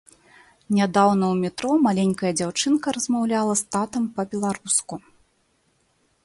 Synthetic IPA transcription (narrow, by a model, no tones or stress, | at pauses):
nʲad̪awnɐwmʲɛt̪ɾɔmalʲenʲkɐjɐd͡zʲawt͡ʂɨnkɐɾɐzmawlʲalˠɐst̪at̪ɐmpɐbʲɛlˠaɾusku